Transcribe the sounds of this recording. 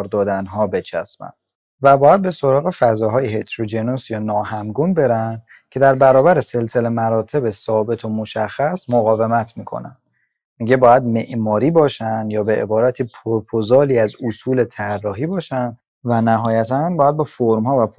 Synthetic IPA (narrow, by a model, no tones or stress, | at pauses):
ɾd̪ɒːd̪ænɦɒːbe̞t͡ʃʰæ̰smæ̰nd̥̪ | væbɒːjæd̪̚be̞so̞ɾɒːɣe̞fæzɒːɦɒːjehet̪ʰɾod͡ʒenosjɒːnɒːhæmɡunbe̞ɾænd̪̥ | cʰe̞d̪æɾbæɾɒːbæɾe̞se̞lse̞le̞mæɾɒːt̪ʰe̞be̞sɒːbe̞t̪ʰomo̞ʃæxːæsmoɣɒːve̞mæt̪ʰmiːkʰo̰næ̰n | miɟe̞bɒːjæd̪me̞ʔmɒːɾiːbɒːʃænd̪jɒːbe̞ʔḛbɒːɾæt̪ʰiːpʰoɾpʰozɒːliːæzusuːle̞t̪ʰærːɒːɦiːbɒːʃænd̪ | vænæɦɒːjæt̪ʰænbɒːjæd̪̚befoɾmhɒːvæpʰ